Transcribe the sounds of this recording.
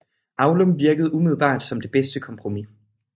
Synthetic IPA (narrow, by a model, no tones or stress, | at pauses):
ʔɑ̈ʊlomʋiɐɡ̥əð̞̩ˠumið̞ˠl̩ˠb̥ɑ̰̈ːd̥sɒ̽md̥e̝b̥esd̥əkʰɒ̽mpʰʁo̝mi